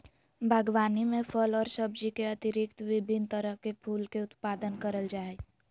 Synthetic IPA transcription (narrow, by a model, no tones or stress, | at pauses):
bʱəɡʋaːnimẽpʰəlɔːɾsəbd͡ʒikeɐt̪ɪɾɪkt̪ʋɪbʱɪnt̪əɾəɦkepʰuːlkeʊt̪paːd̪ənkəɾəld͡ʒaːe